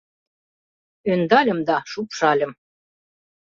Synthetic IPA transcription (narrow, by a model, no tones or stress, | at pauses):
ønd̪ɑlʲə̆md̪ɑʃupʃɑlʲə̆m